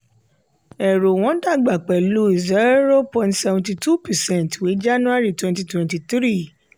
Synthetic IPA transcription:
ɛ˨ɾo˨w̃ɔ̃˨˦da˦˨ɡ͡ba˨k͡pɛ˨lu˨˦i˨zɛ˨˦ɾo˦pɔ̃˧ntsɛ˧ṽnti˧tu˦pɛ˨sɛ̃˦˨ntwi˨˦d͡ʒa˦nũ˦a˦ɾi˦˨twɛ̃˦nti˧twɛ̃˧nti˧tɾi˦˨

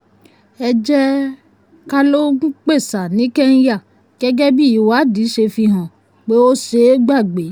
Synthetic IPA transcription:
ɛ˧d͡ʒɛ˦ | ka˦lo˦k͡pe˦˨sa˨nĩ˨˦kɛ˦n̩˦ja˦˨ | kɛ˦ɡɛ˦bi˦i˨wa˨˦di˨˦ʃe˧fi˧ɦã˨ | k͡pe˦o˦ʃe˨˦ɡ͡ba˦˨ɡ͡be˨˦

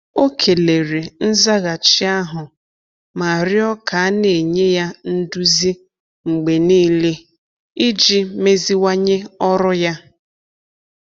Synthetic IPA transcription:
o˦kʰe˨le˨ɾe˨n̩˦za˦ɣa˨t͡ʃi˦a˦ɦʊ˨ | ma˨a˨ɾjɔ˦ka˨a˦ne˨ɲe˦ja˦n̩˦du˦zi˦ | ŋ͡m̩˨ɡ͡be˨niː˦le˦ | i˦d͡ʒi˦me˦zi˦wa˦ɲe˦ɔ˦ɾʊ˦ja˦

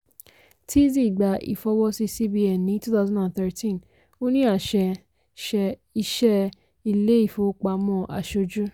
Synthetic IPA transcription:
tʰi˦zi˦˨ɡ͡ba˨ḭ˨fɔ˧wɔ˧si˧si˦bi˧ɛ˨nĩ˨˦tu˦θa˦˧zɔ̃˦dã˨nθɛ˧tʰĩ˦n | o˦nĩ˦a˦˨ʃɛ˧ | ʃɛ˧i˧ʃɛ˦ | i˧˨le˨˦i˦˨fo˧k͡pa˨mɔ̃˧˨ʔa̰˨ʃo˧d͡ʒu˦

